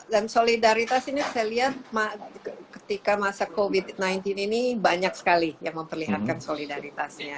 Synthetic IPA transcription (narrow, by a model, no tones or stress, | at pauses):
dansolidaɾit̪asinisajaliɦat̪̚makə̥t̪ikamasakovit̪najnt̪ininibaɲaksə̥kalijaŋməmpərliɦat̪̚kansolidaɾit̪asɲa